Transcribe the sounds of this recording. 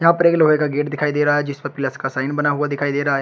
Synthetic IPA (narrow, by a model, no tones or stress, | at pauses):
jãːpəɾeːɡlɦoːeːkaːɡeːʈd̪ɪkʰaːid̪eːɾaaːɦɛːd͡ʒɪsbəɾpɪləskaːsaːɪnbənaːɦʊaːd̪ɪkʰaːid̪eːɾaːɦɛː